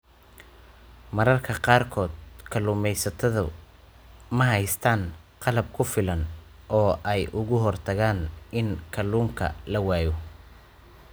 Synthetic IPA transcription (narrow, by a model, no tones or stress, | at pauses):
mɐɾɐrkʰɐqɑːrkʰɔːd̪̚kʰɐlʊːmɛjsɐt̪ʰɐðʊ̰ | mɐɦɛjst̪ʰaːnqɑlɐb̚kʰʊfɪlɐn | ʔɔːʔɛjʔʊɣʊɦɔrt̪ʰɐɣaːnɪnkʰɐluːŋkʰɐ̰lɐwaːjɔ